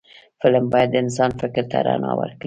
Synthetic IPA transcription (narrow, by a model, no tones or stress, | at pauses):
fɪlmbɑjad̪ːəɪnsɑnfɪkɾt̪ʰaɾanɑwə̰ɾkɽi